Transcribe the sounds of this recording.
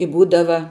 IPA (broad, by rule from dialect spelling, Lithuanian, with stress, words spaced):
ɪ ˈbuːdɐʋɐ